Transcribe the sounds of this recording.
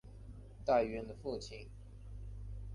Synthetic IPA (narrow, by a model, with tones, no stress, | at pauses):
t̪a˥˩ɥɛ˧˥nd̪ə˧fu˥˧t͡ɕʰi˥˨˩n